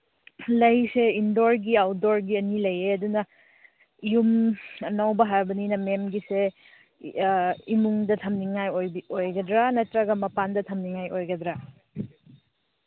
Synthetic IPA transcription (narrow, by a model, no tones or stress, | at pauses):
lɐjseindoɾɡiawdoɾɡiɐnilɐjeɐdunɐ | jumnawbɐɦaɾbɐninɐmemɡise | imuŋdɐtʰɐmniŋajojbiojɡɐdɾanɐtɾɐɡɐmɐpandɐtʰɐmniŋajʔojɡɐdɾa